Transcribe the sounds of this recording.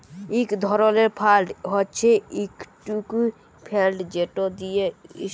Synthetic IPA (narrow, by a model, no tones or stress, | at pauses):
ikd̪ʱɔɾɔleɾpʰalɖɦɔtːt͡ʃʰeikʈuku | pʰelɖd͡ʒeʈod̪ijei